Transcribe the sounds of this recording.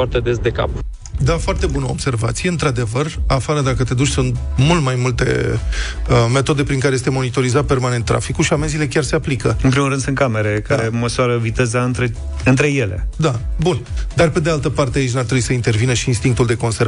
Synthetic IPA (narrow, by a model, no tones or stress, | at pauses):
art̪ed̪esd̪e̞ka̰p | d̪afoart̪e̞bunəobse̞rva̰t̪sijɨnt̪ɾad̪e̞vərafaɾəd̪akət̪e̞d̪ut͡ʃʲsunt̪mult̪majmult̪e̞̰ | me̞t̪o̞d̪e̞pɾiŋkaɾejest̪e̞mo̞nit̪o̞ɾizat̪̚pe̞rmane̞nt̪ːɾʔa̰fikuʃiamenzile̞kʲarse̞aplikəɨnpɾimuɾɨnd̪sɨnt̪kame̞ɾe̞kaɾeməsuaɾəvit̪e̞zaɨnt̪ɾe | ɨnt̪ɾe̞je̞le̞̰d̪abund̪arpe̞d̪ealt̪əpart̪eait͡ʃnaɾt̪ɾebuisəint̪e̞rvinəʃiːnst̪iŋk̚t̪uld̪e̞ko̞nseɾ